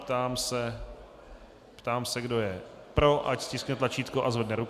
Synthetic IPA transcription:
pt̪aːmsɛ | pt̪aːmsɛɡdo̞jɛ | pɾo̞ʔacscʲɪsknɛt̪lat͡ʃiːt̪koʔazvɛdnɛɾuk

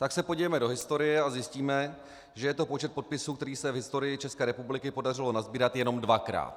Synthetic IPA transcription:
t̪aksɛpo̞ɟivɛmɛdo̞ɦɪst̪o̞ɾɪjɛazjɪsciːmɛ | ʒɛjɛt̪o̞po̞t͡ʃɛt̪̚po̞t̪̚pɪsuːkt̪ɛɾiːsɛvɦɪst̪o̞ɾɪjɪt͡ʃɛskɛːɾɛpublɪkɪpo̞dar̝ɪlo̞nazbiːɾat̪jɛno̞mdvakɾa̰ːt̪

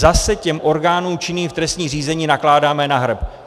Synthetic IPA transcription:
zasɛcɛmʔo̞ɾɡaːnuːmt͡ʃɪniːft̪ɾɛst̪ɲiːriːzɛɲiːnaklaːdaːmɛnaɦr̩p

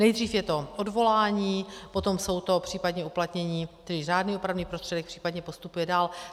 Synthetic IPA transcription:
nɛjd̪riːfjɛt̪o̞o̞dvo̞laːɲiːpo̞t̪o̞mso̞wt̪o̞pr̝̥iːpadɲɛuplat̪ɲɛɲiːt̪ɛɾɪraːdniːopɾavniːpɾo̞st̪r̥ɛdɛk̚pr̥iːpadɲɛpo̞st̪upujɛdaːl

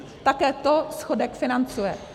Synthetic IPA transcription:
t̪akɛːt̪osxodɛkfɪnant͡sujɛ̰

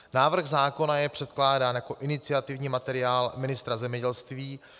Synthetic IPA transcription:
naːvr̩xzaːko̞najɛpr̝̥ɛt̪klaːdaːnjako̞ʔɪnɪt͡sɪat̪ɪvɲiːmat̪ɛɾɪjaːlmɪnɪst̪ɾazɛmɲɛɟɛlst̪viː

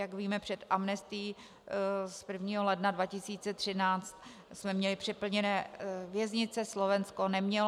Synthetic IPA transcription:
jakviːmɛpr̝̥ɛt̪ʔamnɛst̪ɪː | spr̩vɲiːɦolɛdnadvacɪsiːt͡sɛt̪r̥ɪnaːt͡st̪ | smɛmɲɛlɪpr̝̥ɪpl̩ɲɛnɛːvjɛzɲɪt͡sɛslovɛnskonɛmɲɛl

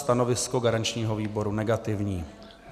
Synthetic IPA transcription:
t̪ano̞vɪskoɡaɾant͡ʃɲiːɦoviːbo̞ɾunɛɡat̪ɪvɲiː

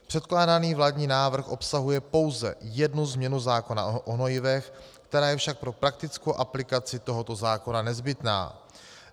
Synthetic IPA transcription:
pr̝̥ɛt̪klaːdaniːvlaːdɲiːnaːvr̩xʔo̞psaɦujɛpo̞wzɛ̰jɛdnuzmɲɛnuzaːko̞na̰ʔonojɪvɛx | kt̪ɛɾaːjɛfʃak̚pɾo̞pɾak̚t̪ɪt͡skowʔaplɪkat͡sɪt̪o̞ɦo̞t̪o̞zaːko̞nanɛzbɪt̪na̰ː

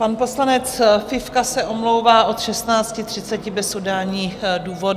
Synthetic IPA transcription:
panpo̞slanɛt͡sfɪfkasɛʔo̞mlowvaːʔo̞t̪ʃɛsnaːt͡scɪt̪r̝̥ɪtt͡sɛcɪbɛsodaːɲiːxduːvo̞d

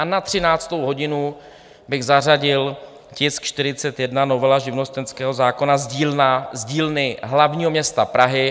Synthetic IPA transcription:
anat̪r̝̥ɪnaːt͡st̪o̞wɦo̞ɟɪnu | bɪɣzar̝aɟɪl | cɪskt͡ʃt̪ɪɾɪt͡sɛt̪jɛdnano̞vɛlaʒɪvno̞st̪ɛnskɛːɦo̞zaːko̞nazɟiːazɟiːlnɪɦlavɲiːɦomɲɛst̪apɾaɦɪ

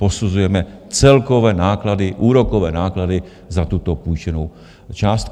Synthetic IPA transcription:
po̞suzujɛmɛt͡sɛlko̞vɛːnaːkladɪʔuːɾokovɛːnaːkladɪ | zat̪ut̪o̞pujt͡ʃɛnow | t͡ʃaːst̪

